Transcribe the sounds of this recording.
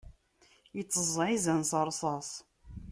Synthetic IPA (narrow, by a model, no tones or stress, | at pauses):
jət͡sːəzˤʕizənsɑɾˤsˤɑsˤ